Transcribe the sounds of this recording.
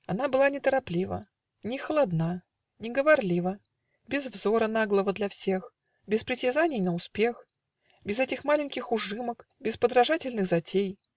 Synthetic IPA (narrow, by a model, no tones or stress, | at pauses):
ɐnabɨlˠanʲɪt̪əɾaplʲivə̰ | nʲɪxəlˠad̪na | nʲɪɡəvarlʲivə | bʲɪzvzoɾənaɡlˠəvəd̪lʲɐfsʲe̞x | bʲɪspɾʲɪtʲɪzanʲɪjnəʊspʲe̞x | bʲɪzɛtʲɪxmalʲɪnʲkʲɪxʊʐɨmək | bʲɪspəd̪ɾɐʐatʲɪlʲnɨxzɐtʲej